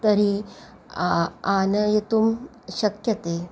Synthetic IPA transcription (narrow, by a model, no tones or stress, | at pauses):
t̪ɐɾi | aːnɐjet̪um | ɕɐkjɐt̪eː